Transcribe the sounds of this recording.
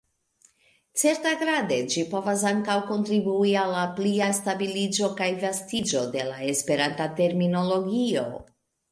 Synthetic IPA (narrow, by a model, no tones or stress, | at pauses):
t͡se̞ɾtaɡɾade̞d͡ʒipo̞vas̬aŋkawko̞ntɾibuialːapliastabilid͡ʒo̞kajvastid͡ʒo̞de̞lae̞spe̞ɾantate̞ɾmino̞lo̞ɡio̞̰